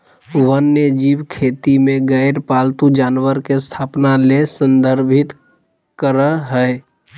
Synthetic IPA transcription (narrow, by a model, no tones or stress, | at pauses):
ʋənːəd͡ʒiːʋkʰeːt̪imẽɡəɪɾpaːlt̪ud͡ʒaːnwəɾkest̪ʰaːpnalesə̃nd̪ʱəɾbʱɪt̪ | kəɾəɦəe